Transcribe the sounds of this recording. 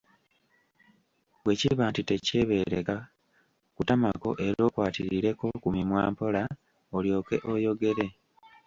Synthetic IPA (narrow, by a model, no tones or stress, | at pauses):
βwe̞ciβaːntite̞ce̞βe̞ːɾeka | kutamako̞̰ʔe̞ɾo̞ːkwaːtiɾiɾe̞ko̞kumimwa̰ːmpo̞la | oljo̞ːke̞ʔo̞jo̞ɡe̞ɾe̞